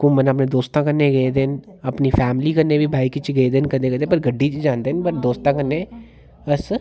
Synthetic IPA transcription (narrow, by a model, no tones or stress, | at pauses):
kʊmənəp̬nẽːd̪oːst̪ãːkənːeːɡed̪en | əpniːpʰɛːmliːkənːeːbiːbʱaːikit͡ʃɡeeːd̪enkəd̪eːkəd̪eːpəɾɡəɖːiːt͡ʃd͡ʒãːnd̪eːnpəɾd̪oːst̪ãːkənːeː | əs